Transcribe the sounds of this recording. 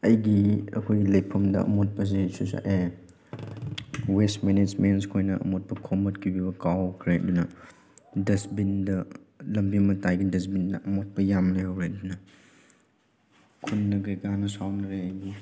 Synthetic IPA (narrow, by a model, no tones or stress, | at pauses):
ɐjɡiɐ̰kʰojɡilɐjpʰɐmdɐ̰ɐ̰mot̚pɐs̬isusa̰ʔe | westmenesmens̬kʰojnɐʔɐ̰mot̚pɐkʰomɐtkʰibibɐkawkʰɾḛdunɐ | dɐsbindɐ | lɐmbimɐtajɡidɐs̬bindɐʔɐmot̚pɐjamlejɐwɾedunɐ | kʰunːɐɡɐjɡanɐsawnɐɾeɐjɡi